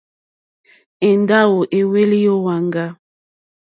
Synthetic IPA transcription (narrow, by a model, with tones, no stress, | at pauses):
ɛ˨nda˦wo˨ʔe˨we˦li˦jo˦wa˨ŋɡa˦